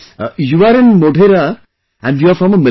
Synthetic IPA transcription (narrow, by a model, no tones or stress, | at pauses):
juaɾɪ̃nmoɖʱeɾa | ʔæ̃ɳjuafɾɔ̃məmɪ